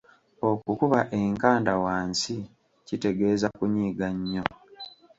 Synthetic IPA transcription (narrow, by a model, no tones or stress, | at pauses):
o̞kukuβaʔe̞ŋkaːndawaːnsi | cite̞ɡe̞ːzakuɲiːɡaɲːo̞